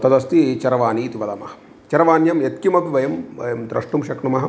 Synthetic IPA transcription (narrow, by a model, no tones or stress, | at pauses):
t̪ɐd̪ɐst̪iet͡ʃɐɾɐʋaːniːt̪iʋɐlɐmɐhɐ̥ | t͡ʃɐɾɐʋaːnjɐmjet̪kjimɐbʱiʋɐjɐmbɐ̰jɐmd̪ɾɐʂʈumʃɐkɳumɐɦɐ